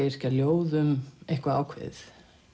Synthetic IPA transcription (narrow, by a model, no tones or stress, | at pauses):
ɪɾ̥caljoːwðʏmejhkvaaːwkʰvɪ̰θ